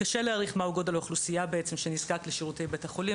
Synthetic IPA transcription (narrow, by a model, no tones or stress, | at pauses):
kaʃeleaʁiχmauɡo̞daloχlusijabeet͡se̞mʃenizkakleʃiʁute̞jbetaχoli